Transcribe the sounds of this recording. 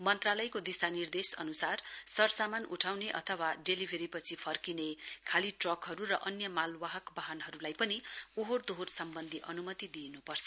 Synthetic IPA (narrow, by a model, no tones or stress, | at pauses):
mʌnt̪ralʌjkod̪isanird̪esʌ̰nusarsʌrsamanuʈʰawneʔʌ̰t̪ʰʌwaɖelibʱeɾipʌt͡sʰipʰʌrkinekʰaliʈrʌkɦʌɾurʌʔʌnjʌmalwaɦʌkbaɦʌnɦʌɾulajpʌniuɦord̪oɦorsʌmbʌnd̪ʱiʔʌnumʌt̪id̪ienupʌrt͡sʰʌ